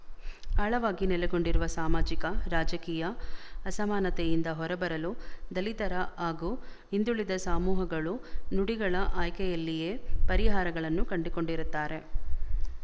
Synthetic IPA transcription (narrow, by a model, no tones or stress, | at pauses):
aːɭɐʋaːɡinɛlɛɡo̞ɳɖiɾuʋɐsaːmaːd͡ʒikɐɾaːd͡ʒɐkiːjɐːsɐmaːnɐt̪ɛjind̪ɐɦɔɾɐbɐɾɐlud̪ɐlit̪ɐɾɐaːɡuː | ind̪uɭid̪ɐsaːmuːɦɐɡɐɭunuɽiɡɐɭɐʔaːjkɛjɐlːije̞ːpɐɾiɦaːɾɐɡɐɭɐnːukɐɳɖiko̞ɳɖiɾut̪ːaːɾe̞